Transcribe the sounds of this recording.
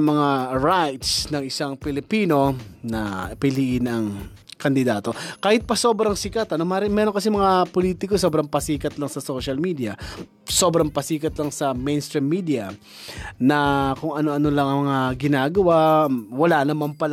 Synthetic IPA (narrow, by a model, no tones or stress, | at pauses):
mɐŋaɹajt̪snɐŋɪsaŋpɪlɪpiːno̞nɐ̰pɪliːʔɪnɐŋ | kɐnd̪ɪd̪aːt̪o̞kaːhɪt̪̚pɐso̞ːbɾɐŋsɪkat̪ʔɐno̞maːɾɪmɛːɾoŋkɐsɛmɐŋapoliːt̪ɪkosobɾɐŋpɐsiːkɐt̪lɐŋsɐso̞ːʃɐlmiːd̪iɐ | so̞ːbɾɐŋpɐsiːkɐt̪lɐŋsɐmɛjnst̪ɾimːiːd̪iɐ | nɐkʊŋɐno̞ʔɐnolɐŋɐŋmɐŋaɡɪnaːɡɐwawɐlanɐmampɐl